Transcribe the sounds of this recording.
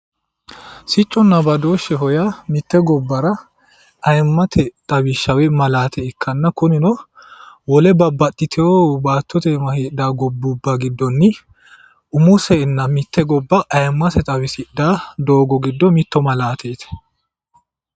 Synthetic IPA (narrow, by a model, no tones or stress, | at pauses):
sɪt͡ʃʼːɔnːɐbɐd̪oːʃːɛɦɔjamɪt̪ːɛɡɔbːɐɾɐ | ʔɐjmːɐt̪ʰɛt̪ʼɐwɪʃːɐwɛmɐlaːt̪ʰɛɪkʰːɐnːɐkʊnɪnɔ | wɔlɛbɐbːɐt̪ʼːɪt̪ʰɛobaːt̪ːɔt̪ɛmɐhid̪aːɡɔbːubːɐɡɪd̪ːɔnːɪ | ʊmʊsɛːnːɐmɪt̪ʰːɛɡɔbːɐʔɐjmːɐt̪ɛt̪ʼɐwɪsɪdaːd̪o̞ːɡɔɡɪd̪ːɔmɪt̪ːɔmɐlaːt̪ʰeːt̪ɛ̥